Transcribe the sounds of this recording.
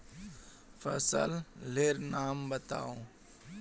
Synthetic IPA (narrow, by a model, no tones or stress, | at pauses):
fə̰sə̰lleːɾnaːmbət̪a̰ːõː